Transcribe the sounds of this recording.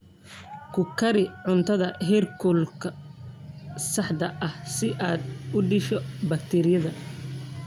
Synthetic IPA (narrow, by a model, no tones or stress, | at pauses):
kʰʊkʰɐɾɪʕʊnt̪ʰɐðɐɦɛrkʰʊlkʰɐ | sɐħd̪ɐʔɐhsɪʔaːd̪ʊɖɪʃɔbɐk̚t̪ʰɛːɾɪjɐðɐ